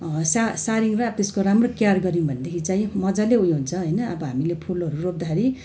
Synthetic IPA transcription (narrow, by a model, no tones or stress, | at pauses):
sasaɾiŋrʌʌbt̪eskoɾamrokjarɡʌɾĩũbʱʌnd̪ekʰit͡saĩmʌd͡zaleɦujɦunt͡sʰʌɦojnʌʌbʌɦamilepʰulɦʌɾurob̚d̪akʰeɾi